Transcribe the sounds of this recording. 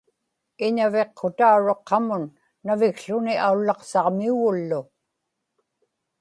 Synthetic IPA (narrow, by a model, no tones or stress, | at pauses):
ɪɲave̞qʰːot̪auɻoqʰːɑmʊnː | avɪkɬʊniʔaulːɑqsɑʁmiuɣʊlːʊ